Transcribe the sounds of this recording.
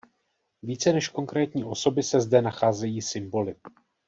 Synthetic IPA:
viːt͡sɛnɛʃko̞ŋkɾɛːt̪ɲiːʔo̞so̞bɪsɛzdɛnaxaːzɛjiːsɪmbo̞lɪ

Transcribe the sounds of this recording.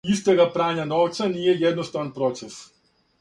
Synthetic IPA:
ist̪eɡapɾaːɲanoʋt̪saniːjejed̪nost̪aʋanpɾot̪ses

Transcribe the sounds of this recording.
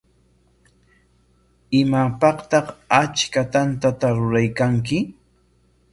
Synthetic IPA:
ɪmapɑqt̪ɑχat͡ʃkat̪ant̪at̪aɾʊɾajkaŋk̬ɪ

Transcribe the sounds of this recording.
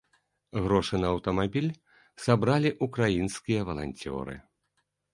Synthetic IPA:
ɣɾɔʂɨnɐːwt̪ɐmabʲilʲ | sabɾalʲiʔukɾajinskʲijɐvɐlˠa̰nʲt͡sʲɔ̰ɾɨ̰

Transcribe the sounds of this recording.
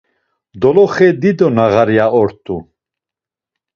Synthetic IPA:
d̪ɔlɔχɛd̪id̪ɔnaɣaɾiaɔɾt̪ʼu

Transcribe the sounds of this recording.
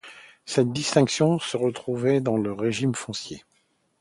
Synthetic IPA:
sɛt̪̚d̪ist̪ɛ̃ksjɔ̃səʁət̪χuvɛd̪ɑ̃ləʁeʒimfɔ̃sje

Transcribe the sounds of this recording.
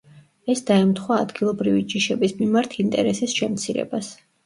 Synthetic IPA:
ɛsd̪aɛmt̪ʰχwaːd̪ɡilˠɔbɾivid͡ʒiʃɛbismimaɾt̪ʰint̪ʼɛ̰ɾɛsisʃɛmt̪sʰiɾɛ̰bas

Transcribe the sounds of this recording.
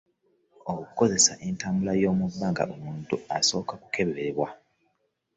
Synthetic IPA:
oku̥ko̞ze̞saʔentaːmbulajo̞ːmubːaŋɡa̰ʔomuːntuaso̞ːkaku̥ke̞βeɾeɾeβwa

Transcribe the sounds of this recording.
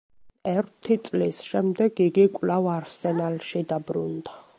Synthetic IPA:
ɛɾt̪ʰit̪sʼlisʃɛmd̪ɛɡiɡikʼlavaɾsɛnalʃid̪abɾṵnd̪a

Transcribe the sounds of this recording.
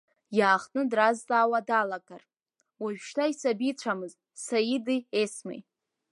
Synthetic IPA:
jaːχʼnɨdraztʼaːwadalakʼar | waʒᶣʃtʰaisabit͡ɕʷʰamɨz | sajidiesmḛj

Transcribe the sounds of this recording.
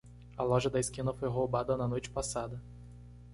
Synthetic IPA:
ɐlɔʒɐd̪ɐɪskĩnɐfojɦowbad̪ɐnɐnojt͡ʃɪ̥pasad̪ɐ

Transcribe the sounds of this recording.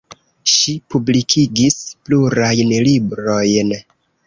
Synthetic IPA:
ʃipublikʰiɡispluɾajnlibɾo̞jn

